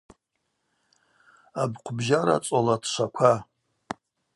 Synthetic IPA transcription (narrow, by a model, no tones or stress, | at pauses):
abqʷʰbʒaɾa̰t͡sʷʼolatʰʃʷʰakʷʰa